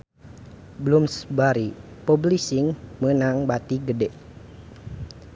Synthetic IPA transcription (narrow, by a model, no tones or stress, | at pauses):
bəlumsəbaɾi | poblisiŋmənaŋbat̪iɡədɛʔ